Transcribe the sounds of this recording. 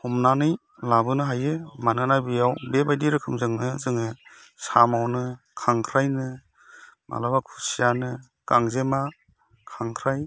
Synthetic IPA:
hɔmnanɯj | labɯnɯɦajɯmanɯnajbijawbebajdiɾɯkʰɯmzɯŋnɯzɯŋɯ | samawnɯ | kʰaŋkʰɾajnɯ | mʔa̰labakʰusijanɯ | kaŋzema | kʰaŋkʰɾaj

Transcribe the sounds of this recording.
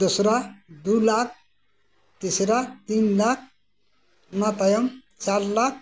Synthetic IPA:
d̪usɾad̪ulak̚ʰ | t̪isɾat̪inlak̚ʰ | nat̪ajʌmt͡ʃaɾlak̚ʰ

